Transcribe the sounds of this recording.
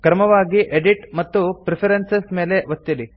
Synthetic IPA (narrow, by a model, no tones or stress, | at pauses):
kɾɐmɐʋaːɡiʔeɖiʈmɐt̪ːupɾipʰɐɾensesme̞ːleʋɐt̪ːili